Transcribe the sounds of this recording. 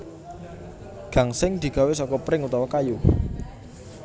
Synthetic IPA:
ɡ̥a̤ŋsɪŋd̪̥i̤ɡ̥a̤wɪsɔkɔpɾɪŋut̪awakaju

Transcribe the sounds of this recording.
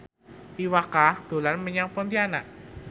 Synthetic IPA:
ʔiwakahd̪̥o̤lanməɲapɔnt̪ianaʔ

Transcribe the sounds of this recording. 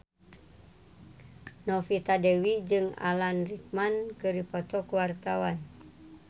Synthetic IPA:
nɔfit̪adɛwid͡ʒɨŋa̰lanrik̚mankɨɾipɔt̪ɔkuwart̪awan

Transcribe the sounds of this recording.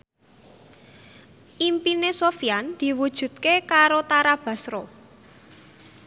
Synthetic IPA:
ʔimpinesofijand̪̥i̤wud̥ʒ̥ṳt̪̚kekaɾot̪aɾab̥a̤sɾo

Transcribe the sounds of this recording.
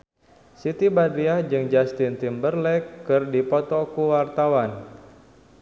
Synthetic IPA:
sit̪ibadɾiad͡ʒɨŋd͡ʒast̪int̪imbərlɛkːɨrdipɔt̪ɔkuwart̪awan

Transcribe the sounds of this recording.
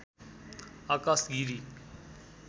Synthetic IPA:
aːkasɡiɾi

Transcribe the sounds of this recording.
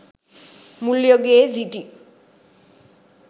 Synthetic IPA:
muljoɡeziʈi

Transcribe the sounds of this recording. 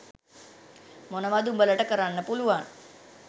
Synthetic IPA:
monəʋad̪umbələʈəkəɾanːəpuluʋan

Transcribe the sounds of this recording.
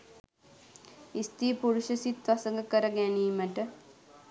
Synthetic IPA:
ist̪iːpuɾuʃɐsit̪ʋɐsəŋɡəkəɾəɡæniːməʈə

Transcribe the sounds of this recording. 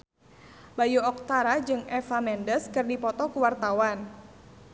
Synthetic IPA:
bajuɔk̚t̪aɾad͡ʒɨŋɛfamɛndəskɨrdipɔt̪ɔkuwart̪awan

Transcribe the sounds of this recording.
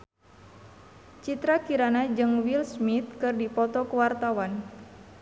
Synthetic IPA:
t͡ʃit̪ɾakiɾanad͡ʒɨŋwilsmit̪̚kɨrdipɔt̪ɔkəwart̪awan

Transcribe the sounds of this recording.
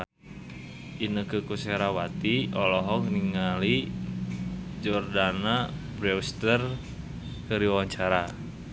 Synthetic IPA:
inəkəkuseɾawat̪iɔlɔɦɔŋniŋali | d͡ʒɔrdanabɾɛwst̪ər | kəɾiwawaɲt͡ʃaɾa

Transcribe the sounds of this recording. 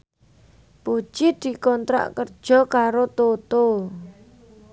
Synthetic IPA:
put͡ʃid̪̥i̤kɔnt̪ɾa̰ʔkərd̥ʒ̥ɔ̤kaɾot̪ot̪o

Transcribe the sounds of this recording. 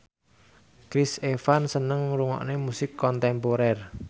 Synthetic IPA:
kɾisefansənəŋɾuŋɔ̰ʔnemusɪkʰːɔnt̪ɛmpoɾɛr

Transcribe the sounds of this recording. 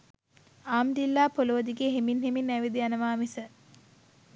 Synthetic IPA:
aːmd̪ilːaːpolod̪iɡeɦeminɦeminæʋid̪ijanəʋaːmisə

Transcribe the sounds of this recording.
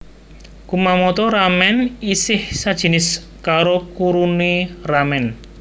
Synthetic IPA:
kumamɔt̪ɔɾamɛnisɪhsad̥ʒ̥ə̤nɪs | kaɾokuɾuneramɛn

